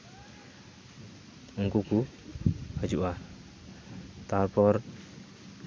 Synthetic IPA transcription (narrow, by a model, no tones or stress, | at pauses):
uŋkuku | had͡ʒuʔa | t̪arpɔr